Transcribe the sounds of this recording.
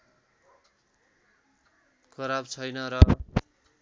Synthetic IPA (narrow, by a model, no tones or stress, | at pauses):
kʰʌɾabt͡sʰʌjnʌɾʌ